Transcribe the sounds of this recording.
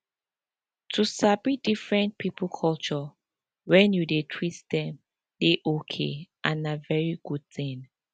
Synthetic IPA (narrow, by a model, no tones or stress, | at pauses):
tʰusabidifɹɛ̃nt̚pʰipulkʰɔlt͡ʃɔ | wɛ̃njudetʰwitdɛ̃m | deʔokʰḛʔãnavɛɹiɡ̥ud̚θtĩn